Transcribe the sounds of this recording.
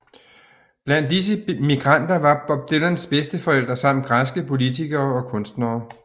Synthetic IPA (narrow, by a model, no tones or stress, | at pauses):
b̥læn̰dis̬əmiɡ̥ʁɑ̈n̰d̥ɐʋɑ̈b̥ɒ̽b̥̚d̥elɐnsb̥esd̥əfɒ̽el̰d̥ʁɐsɑ̈m̰m̩n̩ɡ̥ʁasɡ̥əpʰo̝lit͡sʰiɡ̥ɐːɒ̽kʰɔ̽nsd̥nɐː